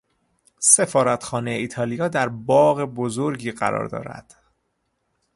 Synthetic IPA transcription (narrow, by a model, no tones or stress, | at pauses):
se̞fɒːɾæt̪xɒːnejeiːt̪ʰɒːlijɒːd̪æɾbɒːɣebo̞zoɾɟiːɢæ̰ɾɒ̰ːɾd̪ɒ̰ːɾæ̰d̪̥